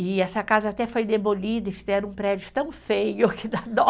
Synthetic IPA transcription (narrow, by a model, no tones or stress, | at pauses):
ɪɛsɐkazɐat̪ɛfojd̪ebolid̪ɐɪfizɛɾɐ̃ũpɾɛd͡ʒʊt̪ɐ̃w̃fejʊkɪd̪ad̪ɔ